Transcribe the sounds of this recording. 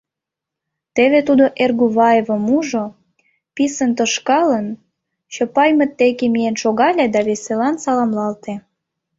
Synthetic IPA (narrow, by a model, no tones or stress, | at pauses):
t̪eβet̪ud̪oʔerɣuβɑjevəmuʒo | pisənt̪əʃkɑlən | t͡ɕopɑjmə̆t̪ːekemijenʃoɣɑlʲed̪ɑβeselɑnsɑlɑmlɑlt̪e